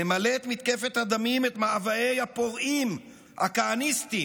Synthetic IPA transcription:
emaleːt̪mit̪ke̞fet̪had̪amimet̪maavaejhapo̞ʁim | hakaanist̪i

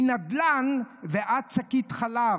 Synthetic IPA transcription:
nad̪lanveʔat̪̚t͡sakit̪χala

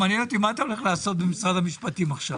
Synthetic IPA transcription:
maːnjeno̞t̪imaat̪ao̞le̞χlaːso̞t̚bemisʁad̪hamiʃpat̪imaχʃav

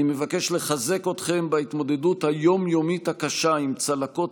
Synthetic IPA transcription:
imevake̞ʃle̞χaze̞ko̞t̪χe̞mbait̪mo̞d̪e̞dut̪hajo̞mjo̞mithakaʃaimt͡salako̞t

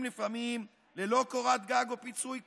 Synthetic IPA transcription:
mlifamim | le̞lo̞koʁat̪ɡaɡopit͡sujk

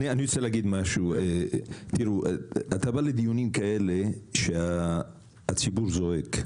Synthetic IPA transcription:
anianijot͡selaɡid̪maʃuet̪iɾuʔat̪abaled̪ijunimkaele̞ʃeaː | t͡sibuɾzo̞ek

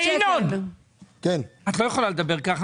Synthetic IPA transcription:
nod | kɛnat̪lo̞jeχolaled̪abeʁkaχa

